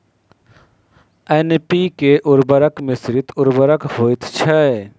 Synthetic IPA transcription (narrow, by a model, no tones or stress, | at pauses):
ɛnpikeʔʊɾbəɾəkmɪsɾɪt̪ʊɾbəɾəkɦoːit̪t͡ʃʰɛ